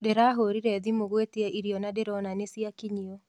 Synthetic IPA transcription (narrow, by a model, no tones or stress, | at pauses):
deɾaːɦoɾiɾɛðimoɣwetiɛʔiɾiɔnadeɾɔnanesiakiɲiɔ